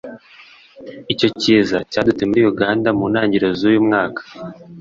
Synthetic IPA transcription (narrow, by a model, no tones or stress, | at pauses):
ico̞ciːzacaːdutemuɾiːjuɡaːndamuːnaːɲɟiɾo̞zuːjumŋaːkḁ